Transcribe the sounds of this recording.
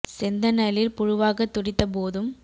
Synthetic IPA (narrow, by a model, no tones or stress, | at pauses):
sɛnd̪ɐnɐlɪlpʊɻʊʋaːɣɐt̪ːʊɽɪt̪ːɐpoːðɯm